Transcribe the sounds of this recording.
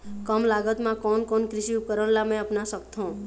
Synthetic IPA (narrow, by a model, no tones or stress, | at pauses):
kəmlaɡət̪mãkɔnkɔnkɾɪʃiupkəɾəɽlamɛ̃əpnasəkt̪ʰũ